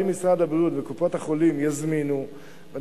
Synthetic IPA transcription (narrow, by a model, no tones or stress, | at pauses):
imisʁad̪abʁut̪vekupo̞thaχo̞limjazminu | ve